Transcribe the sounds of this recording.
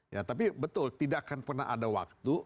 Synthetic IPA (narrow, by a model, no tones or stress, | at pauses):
jat̪ap̬ibət̪ʊlt̪idakanpərna̰ɦa̰dawa̰k̚t̪u